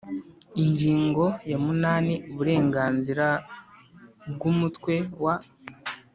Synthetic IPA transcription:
iɲɟiːŋɡo̞jamunaːniuβuɾe̞ːŋɡaːnziɾa | ɡumutkwe̞wa

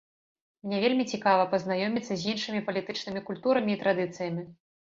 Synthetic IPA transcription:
mnʲɛvʲelʲmʲit͡sʲikavɐpɐznajɔmʲit̪sːɐzʲinʂɨmʲipɐlʲit̪ɨt͡ʂnɨmʲikulʲt̪uɾɐmʲiːt̪ɾad̪ɨt̪sɨjɐmʲi

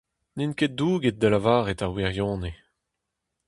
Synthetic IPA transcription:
ninket̚d̪uːɡet̚d̪əlavaːʁet̪aʁwiʁjɔ̃ːne

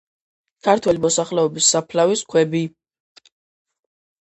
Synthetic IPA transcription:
kʰaɾt̪ʰwɛlimɔsaχlɛɔbisːapʰlaviskʰwɛbi

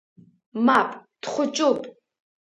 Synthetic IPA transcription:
mapʼtχʷʊt͡ʃʼupʼ

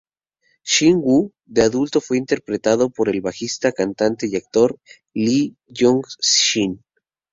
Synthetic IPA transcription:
ʃiŋɡu | ðe̞aðult̪o̞fwe̞int̪e̞ɾpɾe̞t̪aðo̞po̞ɾe̞lβaxist̪akant̪ant̪e̞iak̚t̪o̞ɾ | li | joŋɡʃin

